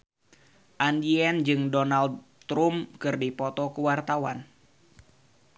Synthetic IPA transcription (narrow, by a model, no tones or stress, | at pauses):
ʔandiɛnd͡ʒɨŋdɔnald | t̪ɾumkɨrdipɔt̪ɔkuwart̪awa̰n